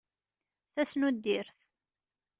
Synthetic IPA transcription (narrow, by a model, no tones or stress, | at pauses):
θæsnud̪ːiɾθ